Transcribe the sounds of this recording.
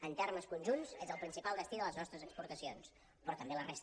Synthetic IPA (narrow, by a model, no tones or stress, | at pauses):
ənt̪ɛrməskunʲʒunzezəlˠpɾinsipalˠd̪əst̪iðələznɔst̪ɾəzəkspuɾt̪əsions | pɾɔt̪əmbeləres